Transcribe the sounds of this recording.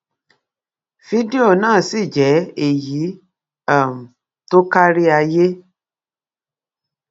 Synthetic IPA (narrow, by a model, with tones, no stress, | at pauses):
fi˨˦de˦o˦˨nãː˦˨si˦˨d͡ʒɛ˨˦e˦˨ji˨˦ | a˦˨m̩˨ | to˦ka˦ɾi˦a˧je˦